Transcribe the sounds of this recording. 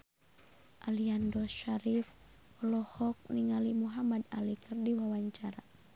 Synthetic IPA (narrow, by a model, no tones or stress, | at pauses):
ʔaliandɔʃaɾif | ɔlɔhɔk̚niŋalimuɦamadalikʰərdiwawaɲt͡ʃaɾa